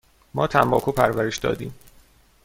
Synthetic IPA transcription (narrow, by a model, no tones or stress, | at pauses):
mɒːt̪ʰæmbɒ̰ːkʰuːpʰæɾvæɾeʃd̪ɒ̰ːd̪ḭːm